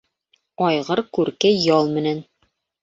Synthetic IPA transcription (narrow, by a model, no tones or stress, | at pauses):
ɑjʁɤɾkʉɾkæjɑlˠmɘ̆næn